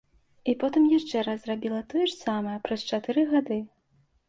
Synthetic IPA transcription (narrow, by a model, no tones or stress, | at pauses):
ipɔt̪ɨmjaʂt͡ʂɛɾazrabʲilˠɐt̪ɔjɛʂsamɐjɐpɾɐst͡ʂat̪ɨɾɨɣad̪ɨ